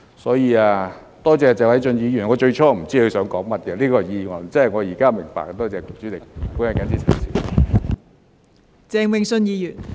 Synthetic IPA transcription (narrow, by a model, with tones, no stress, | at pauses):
sɔː˨˥jiː˧aː˧ | t̪ɔː˥t͡sɛː˧t͡sɛː˨˩wɐ˨˥jt͡sɵ˧njiː˨˧jy˨˩nŋɔː˨˧t͡ʃɵ˧ɥt͡ʃʰɔː˥m̩˨˩t͡siː˥kʰɵ˨˧sœː˨˥ŋkɔː˨˥ŋmɐ˥t̚kɛ˨˧liː˥kɔː˧˨jiː˧wɐ˨˩nt͡sɐ˥ɦɐ˨jŋɔː˨˧jiː˨˩kaː˥mɪ̰˨˩ŋpa̰ː˨kt̪ɔː˥t͡sɛː˨˧kʊ˨˩t͡syː˨˥lɪ˨k̚kuː˨˥nhɐ˨˩jka˨˥nt͡siː˧˥t͡sʰɐ̰˨˩siː˨˥˨ | t͡sɛː˧ŋwɪ˨˧ŋsɵ˧njiː˨˧jy˨˩n